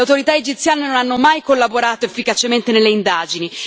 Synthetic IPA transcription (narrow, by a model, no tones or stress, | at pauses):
awt̪oɾit̪aed͡ʒit̪sjaːnenonanːomajkolːaboɾaːt̪oefːikat͡ʃement̪enelːeind̪aːd͡ʒini